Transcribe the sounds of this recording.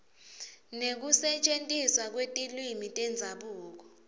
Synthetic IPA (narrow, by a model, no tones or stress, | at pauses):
nek̬usɛt͡ʃʼentʼiswak̬wetʼilwimitʼɛnd͡zʱaɓuːk̬ɔ